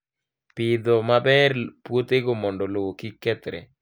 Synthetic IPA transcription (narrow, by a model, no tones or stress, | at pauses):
pɪd̪ɔmabɛɾpwot̪eɡomɔndɔlowokikɛt̪ɾɛ̰